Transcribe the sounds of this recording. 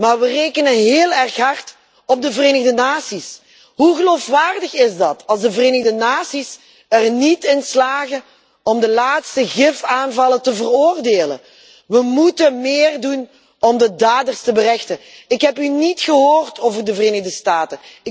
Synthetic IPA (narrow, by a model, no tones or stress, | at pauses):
maːrʋəreːkənəɦeːlˠɛrxɦɑrt | ɔb̚dəvəreːnəɣdənaːsis | ɦuɣəloːfʋaːrdəxɪzdɑtʰɑlˠzdəvəreːnəɣdənaːsis | ərnitɪnslaːɣə | ɔmdəlaːtstəɣɪfaːnvɑlˠətəvəroːrdeːlə̰ | ʋəmutənmeːrdun | ɔmdədaːdərstəbərɛxtəɪkɦɛpynitxəɦoːrtʰoːvərdəvəreːnəɣdəstaːtə